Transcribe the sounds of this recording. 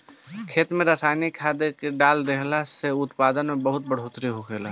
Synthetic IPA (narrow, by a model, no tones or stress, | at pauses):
kʰeːt̪mẽɾasaːjnikʰːaːd̪ekeɖaːld̪eɦlaseʊt̪paːd̪ənmẽbəɦʊt̪̚bəɽ̤oːt̪ɾiɦokʰeːla